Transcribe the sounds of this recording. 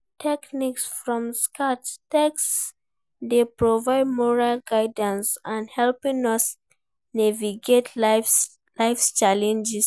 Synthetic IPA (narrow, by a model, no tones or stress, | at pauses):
tʰɛkniksfɹɔ̃mskʰattɛks | depɹɔvaɪd̚mɔɹalɡaɪdə̃nsãnhɛlpĩnɔs | nɛviɡetʰ | laɪfst͡ʃalɛ̃nd͡ʒɛs